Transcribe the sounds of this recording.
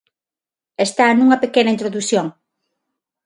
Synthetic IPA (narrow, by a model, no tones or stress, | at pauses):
est̪anuŋɐpekenɐint̪ɾoðusjoŋ